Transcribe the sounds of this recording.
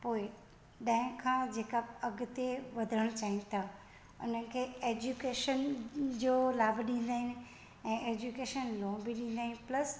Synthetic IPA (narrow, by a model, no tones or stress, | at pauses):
poːɪ | ɗɐ̃ɦɪ̃kʰãːd͡ʑeːkaɐɡt̪eʋɐd̪ʱəɽ̃ʊt͡ɕaːɦinɪ̆t̪ʰa | ʊ̰n̤ənɪ̆kʰeːeːd͡ʑukeːʃənd͡ʑoːlaːbʱɗĩːn̆d̪aːɦɪnɪ̆ | ɛ̃ːʔeːd͡ʑukeːʃənlõːbʱiɗĩːnd̪aːɦɪnɪ̆plɐs